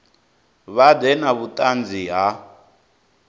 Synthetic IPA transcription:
βadɛnaβutʼand͡ziɦa

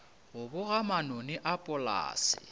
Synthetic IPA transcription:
ɣʊbʊɣamanonɪʔapʼʊla̰ːsɪ̰

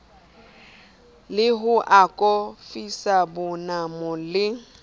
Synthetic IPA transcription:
lɪɦʊʔakʼɔfisabʊnamɔlɪ

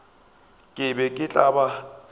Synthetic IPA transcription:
kʼɪbɛkʼɪt͡ɬʼaba

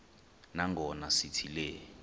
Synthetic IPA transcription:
naŋɡʱɔnasitʰilɛː

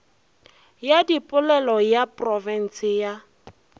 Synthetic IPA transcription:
jadipʼʊlɛlɔjapʼrɔvɛn̩sɪja

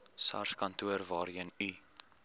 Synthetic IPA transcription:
sɐ̰rskɐntuərvɑːɾiəny

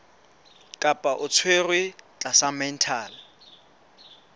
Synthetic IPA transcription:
kʼapʼaʔʊt͡sʰwerwɪt͡ɬʼasamɛn̩tʰaːl

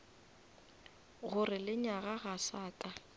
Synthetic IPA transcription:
ɣʊrɪlɪɲaɣaɣasaːtʼa

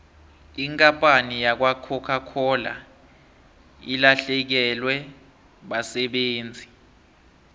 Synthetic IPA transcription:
iŋkʼampʼanijak̬wakʰɔkʰakʰɔla̰ | ilaɬɛk̬ɛlwɛ | ɓasɛɓeːnd͡zʱi

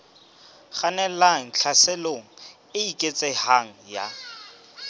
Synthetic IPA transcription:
χanɛlaŋ̩t͡ɬʰasɛloŋ̩ | ɪikʼet͡sʼɛhaŋ̩ja̰

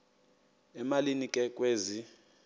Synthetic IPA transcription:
ɛmalinikʼɛkʼweːzi

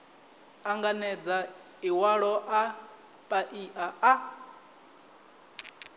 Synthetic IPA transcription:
aŋɡanɛd͡za | iwaɺɔʔa | pʼaʔiʔaʔa

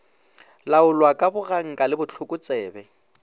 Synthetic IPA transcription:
laʊlwakʼabʊɣaŋ̩kʼalɪbʊt͡ɬʰʊkʼʊt͡sʼɛːbɛ

